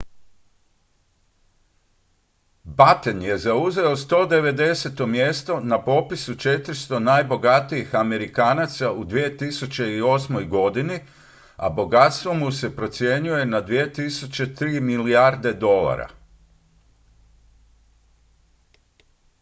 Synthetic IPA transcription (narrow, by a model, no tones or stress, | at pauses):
bat̪enje̞zauze̞o̞st̪o̞ːd̪e̞ʋe̞d̪e̞set̪o̞mjest̪o̞napo̞pisut͡ʃe̞t̪ɾist̪o̞najbo̞ɡat̪ijixame̞ɾikaːnat̪saud̪ʋije̞t̪isut͡ɕe̞io̞smo̞jɡo̞d̪ini | a̰bo̞ɡat̪st̪ʋo̞muse̞pɾo̞t̪sje̞ɲuje̞nad̪ʋie̞t̪isut͡ɕe̞t̪ɾiːmiliaɾd̪e̞d̪o̞la̰ɾa̰